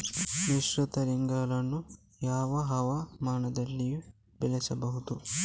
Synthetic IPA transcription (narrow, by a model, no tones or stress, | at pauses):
niʃɾut̪ɐɾiŋɡaːlɐnːu | jaːʋɐɦɐʋamaːɳɐd̪ɐlːiju | bɛlɛsɐbɐɦud̪u